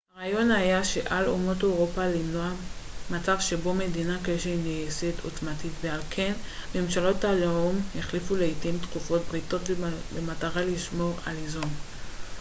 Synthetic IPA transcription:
haʁajo̞najaʃe̞ʔalomoteʁopalinoamat͡savʃe̞bo̞me̞dinakeʃenejesetʰotmatitvealkʰe̞nme̞mʃalo̞talomheχlifuleitimt̪kufo̞tbʁito̞tbemataʁaliʃmo̞ʁalizun

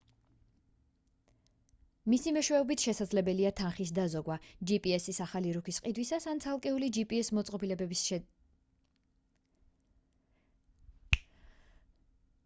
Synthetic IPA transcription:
misimɛʃwɛɔbit̪ʰʃɛsad̪zlɛbɛliat̪ʰanχis̬d̪azɔɡwad͡ʒipʼiɛsisaχaliɾukʰisqʼid̪wisasant̪sʰalˠkʼɛulid͡ʒipʼiɛsmɔt̪sʼqʼɔpilɛbɛb

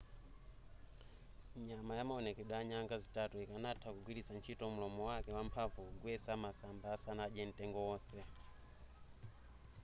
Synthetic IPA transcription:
ɲamajamaɔnɛkɛɗwaɲaŋɡazitatuikanatʰakuɡwiɾisant͡ʃʰitɔm̩ulɔmɔwakɛwampʰavuɡwɛsamasambaːsanaʄɛn̩tɛŋɡɔɔːsɛ

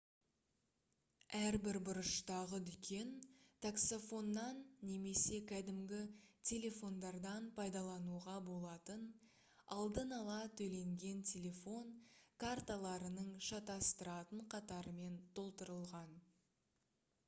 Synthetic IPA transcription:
æɾbɪɾbʊɾəʃt̪ɑʁəd̪ʏkʲʰe̞nt̪ʰakso̞fo̞nːɑnːe̞me̞se̞kʲʰæd̪ɪmɡʲɪtʲʰe̞lʲe̞fo̞nd̪ɑɾd̪ɑnpʰɑjd̪ɑlˠɑnuʁɑbo̞lˠɑt̪ən | ɑlˠd̪ənɑlˠɑt̪ʰɵle̞ŋɡʲe̞nt̪ʲʰe̞lʲe̞fo̞nkʰart̪alˠɑɾənəɴʃɑt̪ɑst̪əɾɑt̪əɴqʰɑt̪ɑɾəme̞nt̪ʰo̞lˠt̪əɾəlˠʁɑn

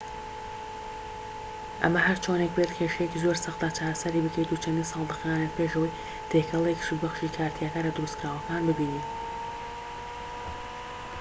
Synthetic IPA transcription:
ʔɐ̰mɐɦɐɾt͡ʃʰonek̚bet̪kʰeʃɛjecizoɾsɨxt̪at͡ʃaːɾɐsɐɾibɨkʰɐjt̪ut͡ʃʰɐnd̪iːnsɑlˠd̪ɨxanet̪̚pʰeːʒəwɐj | t̪ʰekʰɐlˠeki̥ʃubɐxʃikʰaːɾt̪ʰijakaːnlɐd̪ɨɾust̪kɾaːwɐkaːnbɨbiːnit̪

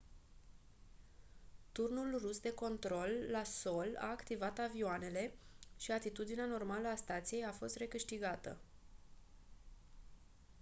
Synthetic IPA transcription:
t̪urnulrusd̪e̞ko̞nt̪ɾo̞lːaso̞la̰ːkt̪ivat̪avioane̞le̞ʃiat̪it̪ud̪ineano̞rmaləast̪at̪sije̞jafo̞st̪ɾe̞kɨʃt̪iɡat̪ə̰

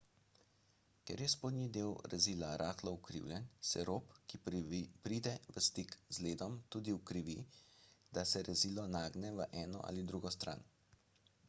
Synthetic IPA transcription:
kɛɾjɛspoːd̪nid̪eːwɾɛzilaɾʔaːxlɔukɾḭwljɛnsɛɾoːpkipɾiːd̪ɛʋəst̪ikzleːd̪ɔmt̪uːd̪iwkɾiʋi | d̪̥asɛɾʔɛzilɔnaːɡnɛʋəʔɛːnɔ̰ʔa̰lid̪ɾuɡɔst̪ɾa̰n

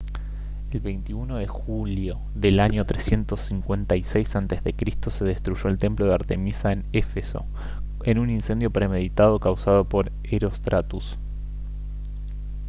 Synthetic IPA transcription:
e̞lβe̞jnt̪iuno̞ðe̞xuljo̞ | ðe̞laɲo̞t̪ɾesje̞nt̪osːiŋkwe̞nt̪ajsejsant̪ezðe̞kɾist̪o̞se̞ð̞est̪ɾuʒo̞elt̪emploðeaɾt̪e̞misaene̞feso̞̰ | e̞nuninsend̪jo̞pɾe̞me̞ðit̪að̞o̞kawsað̞o̞po̞ɾ | eɾo̞st̪ɾat̪us

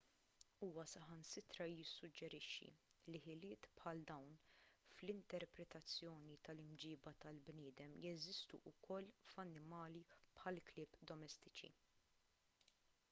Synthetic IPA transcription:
uːwɐsɐħɐnsɪt̪ɾɐjɪsːʊd͡ʒːɛɾɪʃːḭlɪħɪlɪːt̪pħɐld̪ɐwnflɪnt̪ɛɾpɾɛt̪ɐt͡sːjɔːnit̪ɐlɪmd͡ʒɪːbɐt̪ɐlbnɪːd̪ɛmjɛzɪst̪ṵʔʊkʰɔlːfɐnːɪmɐːlipħɐlklɪːpːd̪ɔmɛst̪ɪt͡ʃḭ

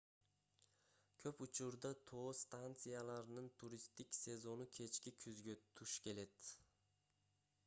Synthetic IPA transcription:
kʲʰɵpʊt͡ʃʰʊɾd̪at̪ʰo̞st̪ant̪sɨjalˠɑɾnɨnt̪ʰuɾist̪ikʲse̞zo̞nukʲʰe̞t͡ʃkʲikʲʰyzɡʲøt̪ʰuʃkʲʰe̞led̪

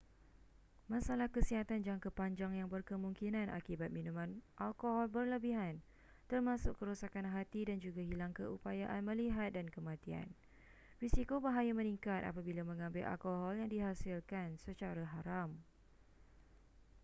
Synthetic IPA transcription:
mãsalahkəsiɦat̪and͡ʒaŋkəpaɲd͡ʒaŋjaŋbərkəmũŋkinãnʔa̰kibat̪̚mĩnũmãnʔalkoɦɔlbərləbiɦan | t̪ərmãsʊkkəɾusakanɦat̪idand͡ʒuɡaɦilaŋkəupajaʔanmə̃liɦat̪̚dankəmãt̪ia̰n | risikobaɦajamə̃niŋkat̪̚a̰pabilamə̃ŋãmbɪlʔa̰lkoɦɔljaŋdiɦasilkansət͡ʃaɾaɦaɾam

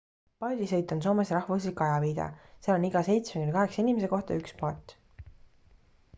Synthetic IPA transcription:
pɑld̪isɤ̞jt̪ːˑɑns̬o̞ːmesɾɑhvus̬likːˑɑjɑviːd̪̥ɑ̰seɑloniɡ̥ɑse̞jt̪smekenkɑɦe̞ksɑinʲimese̞ko̞ht̪ɑ̰ykspɑt̪ːˑ

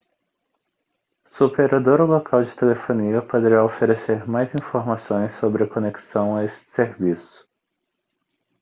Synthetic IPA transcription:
supeɾad̪oɾolokʰawd͡ʒɪt̪elefõniɐpod̪eɾaofeɾeseɾmajzĩfoɾmasõj̃sːobɾɪɐkoneksɐ̃w̃aest͡ʃɪ̥seɾvisʊ̥

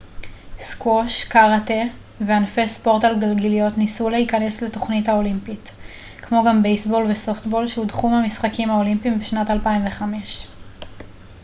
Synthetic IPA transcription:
skwoʃkaʁate | veanfespo̞ʁtalɡalɡelijo̞tnisuleikɐne̞sleto̞χnitao̞limpit | kmo̞ɡambejsbo̞lveso̞ftbo̞lʃeudχumhamisχakimhaolimpimbeʃnatalpaimve̞χame̞ʃ

